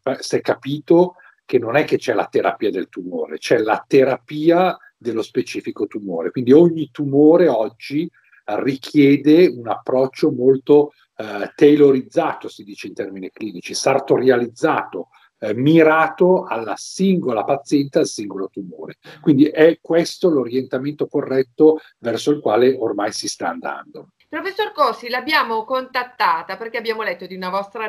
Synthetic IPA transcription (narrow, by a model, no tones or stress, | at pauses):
masɛkːapiːt̪o | kenːonɛkːet͡ʃɛla̰t̪eɾa̰piːad̪elt̪umo̰ːɾḛt͡ʃɛla̰t̪eɾapiːa | d̪elːospet͡ʃiːfikot̪umoːɾḛkwind̪ioɲːit̪umoːɾeɔd͡ʒːi | rikʰjɛːd̪eunapːɾɔt͡ʃːomolt̪o | t̪eloɾid̪zːaːt̪osid̪iːt͡ʃeint̪ɛrminikliːnit͡ʃisart̪oɾjalid̪zːa̰ːt̪o | miɾaːt̪oalːasiŋɡolapat̪sːjɛnt̪ealsiŋɡolot̪umo̰ːɾekwind̪iʔɛkːwest̪oloɾjent̪ament̪okorːɛt̪ːo | vɛrsoilkwaːleʔormajsist̪aːnd̪a̰nd̪o | pɾofesːorkɔsilabjaːmokont̪at̪ːaːt̪aperk̟eabjaːmolɛt̪ːod̪iunavɔst̪ɾa